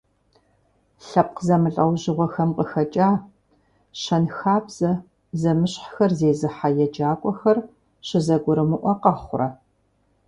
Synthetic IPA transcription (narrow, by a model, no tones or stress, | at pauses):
ɬɐp̚qzɐmɨɬʼɐwʑɪʁʷɔxɐmqʼəxɐt͡ʃʼaː | ɕɐnxaːbz̥ɐ | zɐmɨɕħxɐrzeːzɨħajɛd͡ʒaːkʷʼɔxɐr | ɕɪzɐɡʷʊɾɨmɨʔʷɔqɐχʷʊɾɐ